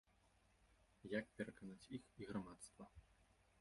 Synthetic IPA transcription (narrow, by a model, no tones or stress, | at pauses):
jak̚pʲɛɾɐkanat͡sʲixiɣɾamat̪st̪vɐ